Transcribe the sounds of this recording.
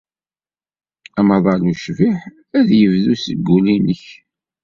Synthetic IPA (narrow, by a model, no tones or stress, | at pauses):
æmɑðˤɑluʃviħ | æðjəvðusəɡːulinəç